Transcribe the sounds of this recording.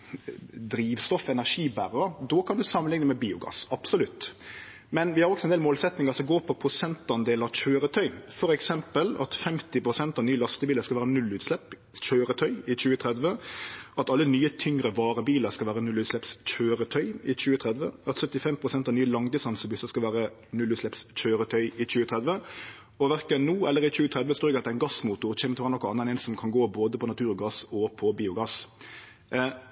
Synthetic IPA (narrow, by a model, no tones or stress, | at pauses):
d̪ɾiːʋst̪ɔfɛnæʁʂiːbæɾəd̪ɔkʰɑnd̪ʉsɑmːənlɪŋnəmɛbiːʊɡɑ̰ːsɑb̥sʊlʉt̪ː | mɛnʋɪhɑɾɔksɔɛnd̪eːlmoːlsɛt̪nɪŋɑsɔmɡoːpʰɔpʰɾʊsɛnt̪ɑnd̪eːlɑc͡çøːɾət̪ʰœʏfɔɾɛksɛmpəlɑ̰t̪fɛmt̪ɪpʰɾʊsɛnt̪ɑʋnyːəlɑst̪əbiːləɾskɑʋæːɾənʉlːʉːt̪slɛpː | t͡ʃøːɾət̪ʰœʏɪt͡ʃʉːət̪ʰɾɛd̪ʋəɑt̪ɑlːənyːət̪ʰʏŋɾəʋɑːʁəbiːləɾskɑlʋæːʁɾənʉlʉːt̪slɛpsc͡çøːɾət̪ʰœʏɪt͡ʃʉːət̪ʰʁɛd̪ʋəɑt̪sœt̪ːɪfɛmpʰʁʊsɛnt̪ɑʋnyːəlɑŋd̪ɪsɑnsɔbʏsəskɑlʋæːʁə | nʉlːʉt̪slɛpsc͡çøːɾət̪ʰœʏɪt͡ɕʉːət̪ʰʁɛd̪ʋə | ɔʋæʁkənnːuːɛlːəɾɪt͡ʃʉːət̪ʰʁɛd̪ʋəsoːɾɛɡɑt̪d̪æɪnɡɑsmuːt̪ʊʁt͡ɕʰɛːmət̪ʰɪʋæːɾənɔkːɑnːəɛnɛnsɔmkʰɑnɡoːboːd̪əpʰɔnɑt̪ʰʉːɾɔɡɑsɔpʰɔbiːʊɡɑs